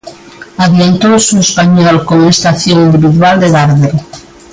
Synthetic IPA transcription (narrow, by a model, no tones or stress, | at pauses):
aðjant̪owsuespaɲɔlkoŋest̪aθjõŋind̪iβiðwald̪eðaɾðeɾ